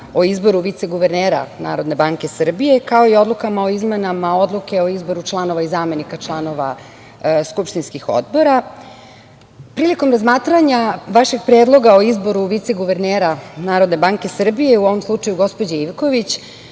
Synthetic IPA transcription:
o̞izbo̞ɾuʋit̪seɡuʋeɾneːɾa̰na̰ːɾo̞d̪ne̞baŋke̞sr̩bije̞kao̞io̞d̪lˠukamao̞izmenamao̞d̪lˠuke̞o̞izbo̞ɾut͡ʃlˠano̞ʋaizaːme̞nikat͡ʂlˠano̞ʋa̰ | skupʃt̪inskixo̰d̪bo̞ɾa | pɾiːliko̞mɾazmaːt̪ɾaɲaʋaʃeɡ̚pɾeːd̪lˠo̞ɡao̞izbo̞ɾuʋit̪seɡuʋe̞ɾneːɾanaːɾo̞d̪ne̞baŋke̞sr̩bije̞uo̞ʋo̞mslˠut͡ʂajuɡo̞spo̞d͡ʑaiʋkoʋit͡ɕ

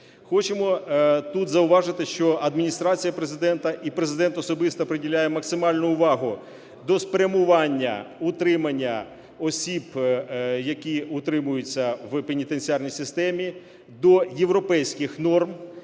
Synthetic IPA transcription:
xɔt͡ʃemɔt̪ut̪zɐʊʋɑʒɪt̪ɪʃt͡ʃɔʔɐd̪mʲinʲist̪ɾɑt͡sʲijɐpɾezɪd̪ɛnt̪ɐʔipɾezɪd̪ɛnt̪ɔsɔbɪst̪ɐpɾeɪdʲilʲajɛmɐksɪmɑlʲnʊʊʋɑɦʊ | d̪ɔspɾʲɐmʊʋɑnʲːɐ̰ut̪ɾɪmɐnʲːɐ | ɔsʲib | jɐkʲiʊt̪ɾɪmʊjʊt͡sʲːɐʋpenʲit̪ent͡sʲiɑrnʲijsɪst̪ɛmʲi | d̪ɔjeʋɾɔpɛjsʲkɪxnɔrm

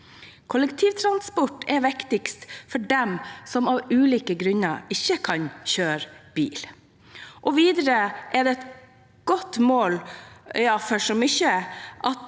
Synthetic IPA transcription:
kʰʊləkt̪ʰiːʋt̪ʰɾɑnspɔʈːɛʋɪkt̪ɪkst̪fɔɖɛmsɔmɑʋʉːliːkəɡɾʉnəɪçəkʰɑnçøːɾb̥ḭːl | ʔɔʋiːd̪əɾəʔɛɖ̪ɛɛt̪ | ɡ̥ɔt̪ːmoːljɑːfɔʂɔmʏçəʔɑt̪

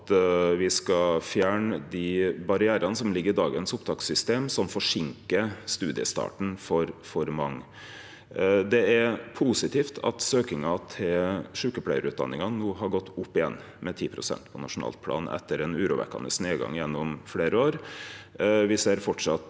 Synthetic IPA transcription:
t̪ʋɪskɑfjæːɳəd̪ɪbɑɾɪæːɾɑnəsɔmlɪɡːəɾɪd̪ɑːɡənsʊpt̪ʰɑːksʏst̪eːmsɔmfɔʂɪŋkəst̪ʉːd̪ɪəst̪ɑ̰ːʈɳ̩fɔɾfɔɾmɑŋː | d̪ɛæɾpʰusɪt̪ʰiːft̪ʰɑ̰t̪søːkɪŋɑt̪ʰɪlʂʉːkəpʰlæɪəɾʉːt̪̚d̪ɑ̰nːɪŋɑnuːɦɑɾɡɔt̪ːʊpːɪjɛ̰nː | mɛt̪ʰiːpʰɾʊsɛ̰nt̪pʰɔnɑ̰ʂʊnɑ̰ːlpʰlɑ̰ːnʔɛ̰t̪ʰːəɾɛnʉːɾʊʋɛ̰kɑ̰nəsneːɡɑ̰ŋjɛnːʊmfleːɾəoːɾ | ʋɪseːɾfɔʈʂɑt̪

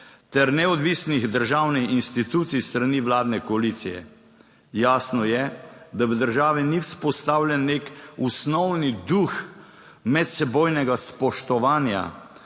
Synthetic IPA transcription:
t̪ɛɾnɛɔd̪ʋiːsniɣd̪əɾʒaːwnixinst̪it̪uːt̪sijst̪ɾaniʋlaːd̪nɛkɔaliːt̪sijɛ̰ | jaːsnɔjɛd̪awd̪əɾʒaːʋiniwspɔst̪aːwlʲjɛnːeːkusnɔwnid̪ux | mɛt̪sɛboːjnɛɡaspɔʃt̪ɔʋaːnja̰

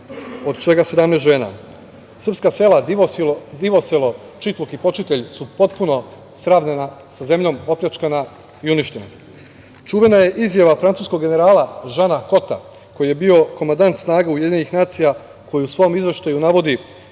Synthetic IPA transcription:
o̞d̪t͡ʃe̞ɡase̞d̪amnest̪ʒeːna̰ | sr̩pskase̞la | d̪iʋoselo | t͡ʃit̪lˠokipo̞t͡ʃit̪e̞ʎsupo̞t̪puno̞ | sɾaːʋnenasaze̞mʎo̞mo̞pʎʲat͡ʃkana | iuniʃt̪e̞na̰ | t͡ʃuːʋe̞naje̞ʔizjaʋafɾant̪suːskoɡːe̞ne̞ɾaːlaʒanako̞t̪a̰ | ko̞jije̞bio̞ko̞mand̪ant̪snaːɡauje̞d̪iɲenixnaːt̪sija | ko̞jiusʋo̞omizʋe̞ʃt̪ajunaʋo̞d̪i

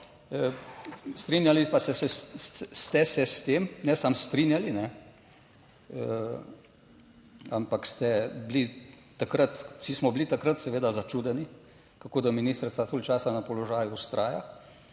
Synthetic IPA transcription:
ə | st̪ɾinjalipasɛsɛst̪ɛsɛst̪eːmnɛsamst̪ɾinjalinɛ | ə | ampakst̪ɛbli | t̪ːakɾət̪sismɔblit̪akɾət̪sɛʋeːd̪azat͡ʃuːd̪ɛni | kakoːd̪aminiːst̪ɾsat̪olʲt͡ʃaːsanapɔlɔʒaːjuust̪ɾʔaːja̰

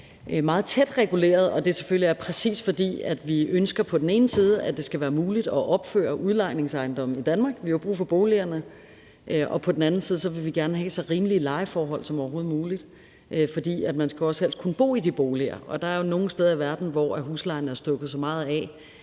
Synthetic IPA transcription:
mɑ̈ːð̞̩ˠt͡sʰed̥ʁɛɡ̥ule̝̰ːɐðˠɒ̽d̥e̝se̥føliæɐpʰʁɛsḭːsfɒ̽d̥ḭːæd̥ʋiønsɡ̥ɐpʰɒ̽d̥en̩e̝ːnəsiːð̞ˠəæd̥e̝sɡ̥æʋæːɐmuːlid̥ɒ̽ʔɒ̽b̥fø̰ɐʔuð̞ˠlɑ̈ɪne̝ŋsɑ̈ɪnd̥ɒ̽m̩id̥ænmɑ̈ːɡ̥ʋihɑjob̥ʁṵːfɒ̽b̥o̝ːliɐnə | ʔʔɒ̽pʰɒ̽d̥en̩æn̩siːðˠs̬ɒ̽ʋe̝ʋiɡ̥æɐnəɦɛ̰sɒ̽ʁiːməliəlɑ̈ɪfɒːɦɒ̽l̰sɒ̽mɒʊɐɦo̝ːð̞̩ˠmuːlid̥ | ʔfɒ̽d̥ḭːæd̥mænsɡ̥æɒ̽sel̰skʰunəb̥o̝̰ːid̥ib̥o̝ːliɐ̰ʔɒ̽d̥ɑ̈ɐjo̝no̝ːn̩sd̥eːð̞ɐiʋæɐd̥n̩ʋɒæɦuslɑ̈ɪnəæɐsd̥ɔ̽ɡ̥ð̩ˠsɒ̽mɑ̈ːð̞̩ˠɛ̰

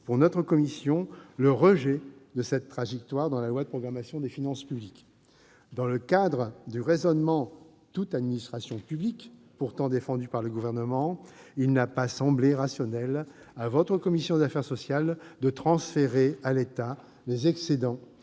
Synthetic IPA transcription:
puʁnɔt̪χəkɔmisjɔ̃ləʁəʒɛd̪əsɛt̪ːχaʒɛk̚t̪waʁd̪ɑ̃lalwad̪əpχɔɡʁamasjɔ̃d̪efinɑ̃spyblik | d̪ɑ̃ləkad̪ʁəd̪yʁezɔnmɑ̃ | t̪ut̪ad̪minist̪χasjɔ̃pyblik | puʁt̪ɑ̃d̪efɑ̃d̪ypaʁləɡuvɛʁnəmɑ̃ilnapasɑ̃bleʁasjɔnɛl | avɔt̪χəkɔmisjɔ̃d̪afɛʁsɔsjald̪ət̪χɑ̃sfeʁealet̪a | lezɛksed̪ɑ̃

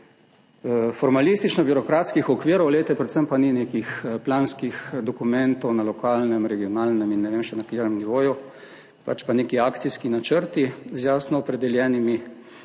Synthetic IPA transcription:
fɔɾmalist̪it͡ʃnɔbjuɾɔkɾaːt̪skixɔkʋiːɾɔwɡlet̪ɛpɾɛt̪səmpaninekixplaːnskixd̪ɔkumɛnt̪ɔwnalɔkaːlnɛmɾɛɡiɔnaːlnɛminːɛʋeːmʃɛnakeːɾɛmniʋoːju | pa̰t͡ʃpanekiaːkt̪siskinat͡ʃəɾt̪izjaːsnɔɔpɾɛd̪ɛljɛːnimi

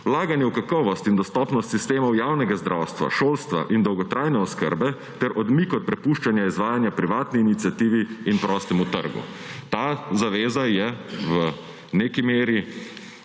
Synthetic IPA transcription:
wlaːɡanjɛwkakɔːʋɔst̪ind̪ɔst̪ɔːpnɔst̪sist̪eːmɔwjawnɛɡazd̪ɾʔawst̪ʋa̰ʃoːlst̪ʋa̰ʔind̪ɔwɡɔt̪ɾʔaːjnɛɔskə̰ɾbɛ | t̪ɛɾʔɔd̪mikɔt̪̚pɾɛpuʃt͡ʃanjaizʋaːjanjapɾiʋaːt̪niːnit̪siat̪iːʋiːnpɾɔːst̪ɛmut̪ə̰ɾɡṵ | t̪aːzaʋeːzajɛʋə | neːkimeːɾi

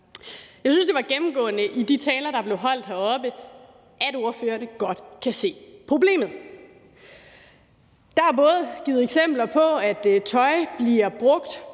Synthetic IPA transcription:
jɑ̈ɪsynsd̥e̝ʋɑ̈ɡ̥emm̩ɡ̥ɔ̰̽ːnəʔid̥it͡sʰɛːlɐɾ̥ɑ̈b̥le̝ʊɦɒ̽l̰d̥hæɒ̽b̥ə | ʔæd̥o̝ɐfø̰ːɐnəɡ̥ɒ̽d̥kʰæse̝̰ːpʰʁo̝b̥le̝̰ːmð̞̩ˠ | d̥ɑæbɔ̽ːð̩ˠɡ̥iːð̩ˠeɡ̥sem̰b̥lɐpʰɒ̽æd̥t͡sʰɒ̽ɪb̥liɐb̥ʁɔ̽ɡ̥d̥

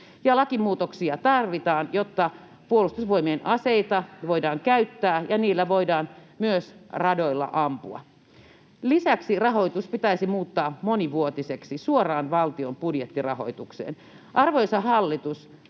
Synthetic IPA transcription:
jɑlɑkimuːt̪oksiɑt̪ɑrʋit̪ɑːnjot̪ːɑ | puolust̪usʋoimienʔɑseit̪ɑʋoidɑːŋkæyt̪ːæːjɑniːlːæʋoidɑːnmyøsrɑdoilːɑ̰ʔɑmpuɑ̰ | lisæksirɑɦo̞it̪uspit̪æisimuːt̪ːɑːmoniʋuot̪iseksisuorɑːnʋɑlt̪iompudjet̪ːirɑ̰ho̰it̪uksḛːn | ʔɑrʋojsɑɦɑlːit̪us

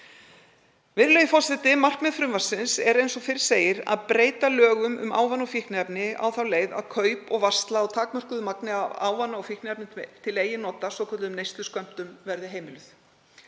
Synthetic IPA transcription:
vɪɾlejʏfɔrsɪt̪ɪmar̥kmɛðfɾʏmvasɪnsɛɾejnsɔfɪɾ̥seːjɪɾa̰ðpɾeːjt̪alœːɣʏmʏ̰mʔa̰ːwvanːɔfihknɪɛpnɪa̰wθawleːjða̰ðkʰœːɥpɔɣvast̪laːwt̪ʰaːkmœr̥kʏðʏmaknɪaa̰ːwvanːaɔfihknɪɛpnɪt̪ʰɪleːjːɪnɔːt̪asvɔkʰɔt̪lɪʏmnejst̪ʏskœm̥t̪ʏmvɛɾðɪɦeːjmɪlʏθ

